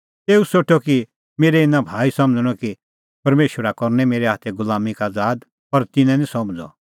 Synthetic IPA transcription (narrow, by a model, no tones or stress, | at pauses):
t̪eːusoːʈʰɔki | meːɾɛɪnãbʱaːisɐməd͡zəɽ̃ɔki | pɐɾmeːʃwəɾakɔɾnɛmeːɾɛɦaːt̪ʰɛɡʊlaːmikaːd͡zaːd̪ | pɐɾt̪ɪnɛ̃nĩsɐmd͡zɔ̰